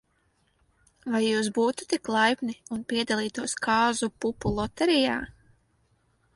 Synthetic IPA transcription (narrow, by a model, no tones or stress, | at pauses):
vajːuːsbuːt̪u̥t̪iklˠajpniunpʲiɛd̪alˠiːt̪uɔskʰaːzupupulˠɔt̪ɛɾijaː